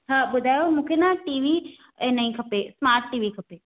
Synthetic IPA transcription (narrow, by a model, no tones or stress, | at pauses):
tʰaɓʊd̪ʱaːjoɔɾmũːkʰenãʈiːʋi | nɐĩkʰɐpesmaːɾʈːiːʋikʰɐpe